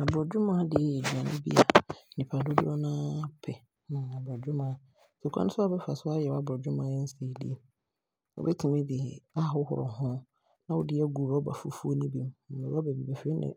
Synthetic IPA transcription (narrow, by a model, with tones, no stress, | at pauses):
a˨bɾɔ˨d͡ʑᶣʊ˦mã˦dɪ˨ɛ˨e˨di˨a˨nɪ̰̃˦bḭ˦a˨nɪ̃˨pʰa˨dʊ˦dʊ˦ɔ˦nãː˦pʰɛ˨ | n˨a˨bɔ˨d͡ʑᶣʊ˦mã˨˦ | sɛ˨kʰã̰˨nʊ̃˦sʊ˦a˦bɛ˦fa˨sʊ˦a˦jɛ˨˦a˨bɔ˨d͡ʑᶣʊ˦mã˨ɛ˦n̩˦se˨dḭ˦˨˦ | ɔ̰˨bɛ˦tʰɪ̃˨mɪ̃˦dɪ˨ɛ˨a˦ɦʊ˦hʊ̰˨ɾɔ̰˨hʊ̃˦ | nã˦wɔ˦dɪ˦ɛ˦ɡu˨ba˦ba̰˨fu˦fu˦o˦nĩ˦bĩ˨m̩˨ɛ˨˦a˦ba˨bi˨bɛ˨fe˦nɪ̰̃˨